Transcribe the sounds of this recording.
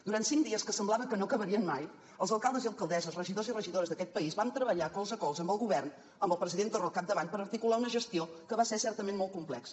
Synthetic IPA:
d̪uɾant̪siŋd̪iəskəsəmblˠaβəkənokəβəɾiənmaj | əlˠzəlˠkalˠd̪əziəlˠkəlˠd̪ɛzəzrəʒiðozirəʒiðoɾəzðəkɛt̪̚pəizβant̪ɾəβəʎakolˠzəkɔwzəmbəlˠɣuβɛrn | əmbəlˠpɾəziðent̪orəlˠkap̚d̪əβanpəɾəɾt̪ikulaunəʒəst̪iokəβasɛsɛrt̪əmenmolˠt̪kumplɛks

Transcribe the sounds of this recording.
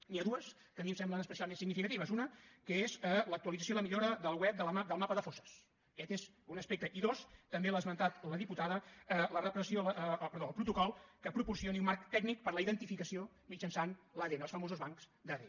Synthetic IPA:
niəðuəs | k̪əmimsɛmblənəspəsialˠmensiɡnifikət̪iβ̞əzunəkəezələk̚t̪uəlidd͡zəs̬joiləmiʎoɾəðəlˠwɛp̚d̪əlmad̪əlˠmapəðəfosə̥s | kɛt̪ez | unəspek̚t̪əʔiðost̪əmbelazmənt̪at̪ləðiput̪aðəələrəpɾəsioləʔpəɾðoəlˠpɾut̪ukɔlˠkəpɾupursioniunmaɾkt̪ɛɡnik̚pəɾləiðənt̪ifikəsio | mid͡ʒənsanləðenəlˠsfəmozuzβaŋkz̥d̪əðḛ

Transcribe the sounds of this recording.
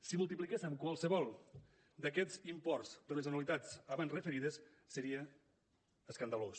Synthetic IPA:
simulˠt̪iplikesəmkwalˠsəβɔlˠ | d̪əkɛzimpɔrzd̪əlezanalit̪at͡saβanrəfəɾiðəsː | əɾiəː | skand̪alos

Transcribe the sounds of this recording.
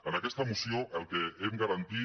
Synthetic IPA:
anakest̪amusioawkeeŋɡaɾant̪i

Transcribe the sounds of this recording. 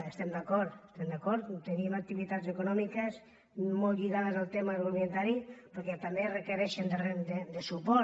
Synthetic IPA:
est̪ɛmd̪akɔɾt̪est̪ɛmd̪akɔɾt̪t̪enimak̚t̪iβit̪adzekunɔmikəs | mɔlʎiɣaðəzalˠt̪emaɾoβient̪aɾipəɾkɛt̪amberekeɾɛʃend̪red̪ed̪esupɔ

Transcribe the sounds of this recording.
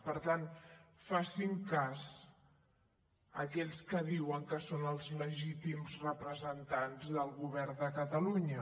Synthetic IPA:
pəɾt̪anfasiŋkaz | əkɛʎskəðiwəŋkəsonəlˠzləʒit̪imzrəpɾəzənt̪anzðəlˠɣuβ̞ɛrd̪əkət̪əluɲə

